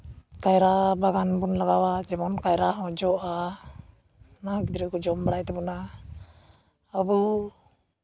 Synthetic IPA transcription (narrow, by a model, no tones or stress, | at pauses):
kajɾabaɡanbunlaɡawad͡ʒɛbɔnkajɾaɦɔ̃d͡ʒɔʔa | naɡid̪ɾɛkɔd͡ʒɔmbaɽajt̪ɛbɔna | əbu